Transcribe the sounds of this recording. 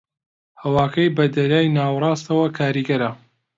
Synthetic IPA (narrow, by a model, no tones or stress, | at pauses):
hɐwaːkɐjbɐd̪ɐɾaːjnaːwrˤɑːst̪ɐwɐkʰaːɾiːɡɐɾɐ